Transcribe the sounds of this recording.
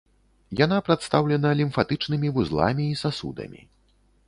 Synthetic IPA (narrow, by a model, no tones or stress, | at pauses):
janapɾat̪st̪awlʲɛnɐlʲimfat̪ɨt͡ʂnɨmʲivuzlˠa̰mʲiːsasṵd̪ɐ̰mʲḭ